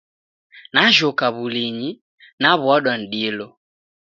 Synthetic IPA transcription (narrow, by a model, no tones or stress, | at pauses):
naʒɔkaβuliɲi | naβwaɗwan̩ɗilɔ